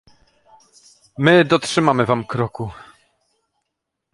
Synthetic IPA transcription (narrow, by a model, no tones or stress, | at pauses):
mɘd̪ɔtʂɘmamɘvamkɾɔku